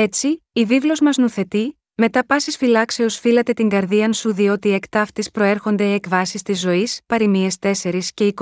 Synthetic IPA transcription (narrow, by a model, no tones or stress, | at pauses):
e̞t͡siːvivlo̞zmɐznuθe̞t̪i | me̞t̪ɐpɐsisfilɐkse̞o̞sfilɐt̪e̞t̪iŋɡɐɾðiɐnsuðio̞t̪iekt̪ɐft̪ispɾo̞eɾxo̞nd̪e̞ːkvɐsist̪izːo̞ispɐɾimie̞st̪e̞se̞ɾisce̞ik